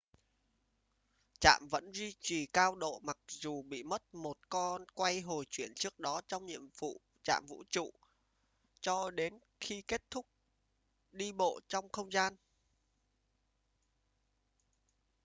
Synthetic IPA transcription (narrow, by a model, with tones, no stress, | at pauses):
t͡ɕa̰ː˧˨mvə̰˧˥nzwi˧t͡ɕi˨˩kaː˧wɗo̰˧˨ma˨˩k̚zu˨˩ɓḭ˧˨mə˦˥t̚mo˨˩t̚kɔ˧nkwa˧jɦo˨˩jt͡ɕwi˧˩ənt͡ɕɨ˦˥ək̚ɗɔ˨˦t͡ɕɔ˧wŋ͡mɲḭ˧˨əmvṵ˧˨ | t͡ɕa̰ː˧˨mvṵ˧˥t͡ɕṵ˧˨ | t͡ɕɔ˧ɗe˨˦n | xi˧ke˦˥t̚t̪ʰʊ˦˥k̚ | ɗi˧ɓo̰˧˨t͡ɕɔ˧wŋ͡mxə˧wŋ͡mzaː˧n